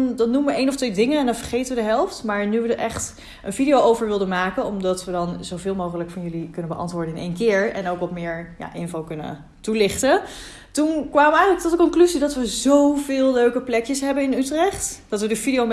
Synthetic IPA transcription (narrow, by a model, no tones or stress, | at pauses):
ndɑnːuməʋəʔejnɔftʋejdɪŋənɛndɑnvəɹχejtənʋədəɦɛlˠftmaːɹnyʋədəʔɛχt | ənvidijowʔowvəɹʋɪlˠdənmaːkənɔmdɑtʋədɑnzowvɪːlˠmowχələkfɑnjɵlikɵnənbəʔɑ̰ntʋʊːɹdəɪnʔḛjnkɪːɹɛ̰nowkɔpmɪːɹja̰ʔɪnvowkɵnə̰ | tulɪχtə | tunkʋaːməɛjələktɔtəkɔŋklyzidɑtʋəzowvɪːlˠløɥkəplɛkjəsɦɛbənɪnytrɛχtd̥ɑtʋədəfidijom